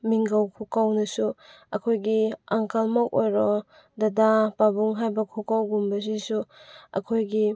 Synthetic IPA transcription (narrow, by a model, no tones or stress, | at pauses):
miŋɡawkʰukawnɐsu | ɐkʰojɡiaŋkʰalmɔk̚ojɾɔ | dadapabuŋɦajbɐkʰukawɡumbɐs̬isuɐ̰kʰojɡi